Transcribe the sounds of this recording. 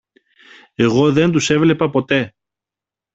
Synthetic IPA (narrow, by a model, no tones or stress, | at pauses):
e̞ɣo̞ðe̞nd̪use̞vle̞pɐpo̞t̪e̞